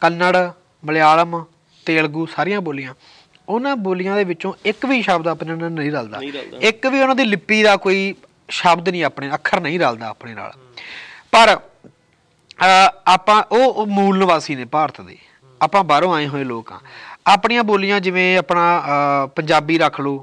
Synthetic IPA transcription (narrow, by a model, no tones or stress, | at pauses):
kənːəɽ | məlaːləm | t̪eːəɭɡuːsaːɾɪjãːboːlɪjãː | ʊnãːboːlɪjãːd̪eːʋɪt͡ʃõːɪkʋiːʃəbd̪aːpnãːnənəĩːɾaːld̪a̰ːɪkʋiːʊnãːd̪iːlɪpːiːd̪aːkoːiː | ʃəbd̪nĩːaːpɳeːəkʰːəɾnəĩːɾaːld̪a̰ːpɳeːna̰ːl | pəɾ | aːpãːʔoːmuːlnəʋaːsiːneːpaːɾt̪d̪ḛː | aːpãːbaːɾõːaːẽːɦoːẽːloːkã̰ːaːpɳiːãːboːlɪjãːd͡ʒɪʋẽːəːpnãːpəɲd͡ʒaːbiːɾəkʰloː